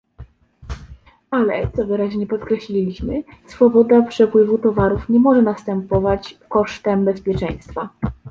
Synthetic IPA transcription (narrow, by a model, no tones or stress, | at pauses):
alɛ̰t̪sɔvɘɾaʑɲɛpɔt̪kɾɛɕlʲilʲiɕmɘsfɔbɔd̪apʂɛpwɘvut̪ɔvaɾufɲɛmɔʐɛnast̪ɛmpɔvat͡ɕkɔʂt̪ɛmbɛspʲjɛt͡ʂɛj̃st̪fa